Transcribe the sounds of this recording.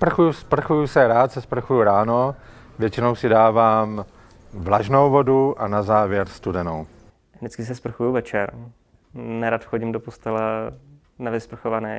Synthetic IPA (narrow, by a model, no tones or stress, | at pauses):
spr̩xujuspr̩xujusɛɾaːt̪sɛspr̩xujuɾaːno | vjɛt͡ʃɪno̞wsɪdaːvaːm | vlaʒno̞wvo̞duʔanazaːvjɛɾst̪udɛnow | dɪt͡skɪsɛspr̩xujuvɛt͡ʃɛɾ | nɛɾat̪xoɟɪmdopost̪ɛlɛ | navɪspr̩xovanɛː